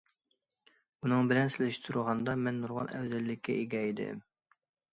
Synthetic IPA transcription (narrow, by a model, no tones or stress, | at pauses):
unɨŋbɪlɛnsɪlɪʃt̪ʰuɾʁɑnd̪ɑmɛnːuɾʁɑ̰nɛ̰wzɛlːɪkʲːɛʔiɡʲɛid̪ɪ̰